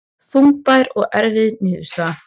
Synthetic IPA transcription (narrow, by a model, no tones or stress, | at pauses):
θumpajɾɔɣɛɾvɪðnɪːðʏ̥st̪a